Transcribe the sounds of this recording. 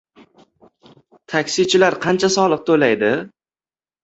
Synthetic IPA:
t̪ʰakʲsɪt͡ʃʰɪlaɾqʰɑnt͡ʃʰasɒlˠɨq̚t̪ʰolajd̪ɪ

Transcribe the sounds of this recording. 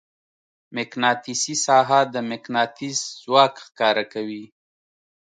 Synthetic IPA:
mɪknɑt̪isisɑɦad̪əmɪknɑt̪iszwɑkxkɑɾakawi

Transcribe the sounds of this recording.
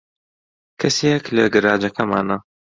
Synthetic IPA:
kʰɐseklɐɡɨɾaːd͡ʒɐkʰɐma̰ːna

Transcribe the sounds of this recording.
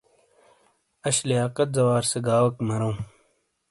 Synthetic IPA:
ɐɕlijaːqɐt̪̚zɐwaːɾseɡaːwɐkmɐɾõː

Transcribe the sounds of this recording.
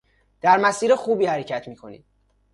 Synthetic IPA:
d̪̥æɾmæsiːɾexuːbiːhæɾecʰæt̪ʰmiːkʰo̞nḭːd̪̥

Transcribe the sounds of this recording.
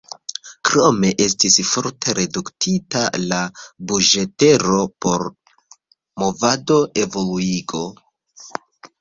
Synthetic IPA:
kɾo̞me̞ʔe̞stisfo̞ɾtʰe̞ɾe̞duktʰita̰labud͡ʒe̞te̞ɾo̞po̞ɾ | mo̞vado̞ʔe̞vo̞luiɡo̞

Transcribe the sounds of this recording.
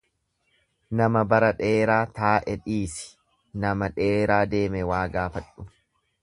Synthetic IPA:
nɐmɐbɐɾɐᶑe̞ːɾaːt̪aːʔɛᶑiːsɪ̥ | nɐmɐᶑe̞ːɾaːd̪eːmɛwaːɡaːfɐᶑːʊ

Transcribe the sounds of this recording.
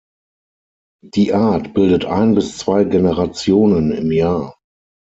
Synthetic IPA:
d̥iːʔaɐtb̥ɪldətʔa̰ɪnbɪst͡sv̥aɪɡenəʁat͡sjoːnənɪ̰mjaːɐ

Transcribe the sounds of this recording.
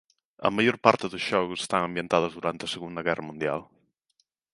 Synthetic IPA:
ə̰maʎoɾpaɾt̪əðuzʒ̥ɔɣuse̥st̪aŋəmbjənt̪að̞əzðuɾant̪əsəɣund̪əɣɛrəmund̪ia̰l

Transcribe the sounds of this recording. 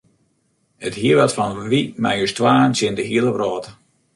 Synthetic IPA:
əthiəʋatfɔnʋima̰jøstwaːnsjɪndəɦiəlˠəbrɔːtə

